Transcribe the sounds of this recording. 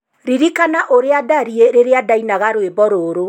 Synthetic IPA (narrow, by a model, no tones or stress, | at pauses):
ɾiɾikanaʔoɾeadaɾieɾeɾeadainaɣaɾwebɔɾoːɾo